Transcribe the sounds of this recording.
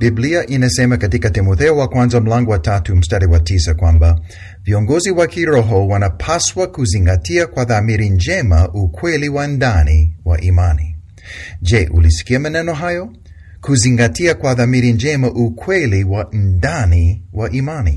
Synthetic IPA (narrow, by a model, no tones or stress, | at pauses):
bibliaʔinasɛmakatikatimɔθɛɔwakwãnzam̩laŋɡɔwatatum̩staɾiwatisakwãmba | viɔŋɡɔziwakiɾɔɦɔwanapʰaswakuziŋɡatiakwaðamiɾind͡ʒɛmaʔukʰwɛliwandaniwaʔimani | d͡ʒɛʔṵlisi̥kiamanɛnɔɦajɔ | kuziŋɡatʰiakwaðamiɾind͡ʒɛmaʔukʰwɛliwandaniwaʔimanḭ